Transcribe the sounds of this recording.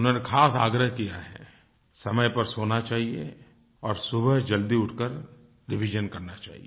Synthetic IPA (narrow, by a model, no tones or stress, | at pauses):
ʊnɦonekʰaːsa̰ːɡɾəɦkijaɦɛ̰ | sɐməjpɐɾsoːnat͡ʃaːɦiḛ | ɔːɾsʊbəɦd͡ʒɐld̪iʊʈʰkəɾ | ɖɪʋʱid͡ʒənkɐɾnat͡ʃa̰ːɦḭe